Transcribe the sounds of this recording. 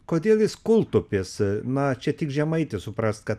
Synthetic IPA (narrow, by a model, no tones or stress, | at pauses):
koːd̪ʲeːlˠjɪskʊlˠt̪ʊpʲɪsnɐt͡ʃʲɛt̪ʲɪkʒʲɛmɐɪt̪ʲɪsʊpɾɐst̪̚kɐt̪